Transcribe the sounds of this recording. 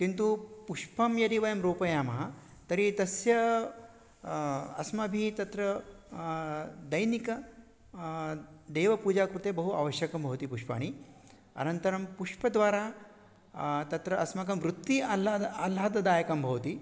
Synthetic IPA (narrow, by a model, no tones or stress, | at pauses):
kint̪upuʂpɐmjɐɾiʋɐjɐmɾoːpɐjaːmɐɦɐ | t̪ɐɾit̪ɐsjɐ | ɐ̰smɐbʱit̪ɐt̪ɾɐ | d̪ɐjnikɐ | d̪eːʋɐpuːd͡ʒaːkɾut̪eːbɐɦua̰ːʋɐʃjɐkɐmbʱɐʋɐt̪ipuʂpa̰ːɳ̃i | ɐ̰nɐnt̪ɐɾɐmpuʂpɐd̪ʋaːɾaː | t̪ɐt̪ɾɐʔɐsmɐkɐmʋɾut̪ːiɐlɐɐlaːd̪ɐd̪aːjɐkɐmbʱɐʋɐt̪i